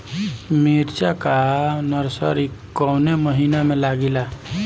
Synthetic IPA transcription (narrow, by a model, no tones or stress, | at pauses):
miɾt͡ʃakanəɾsə̰ɾikːɔneməɦinamẽlaɡila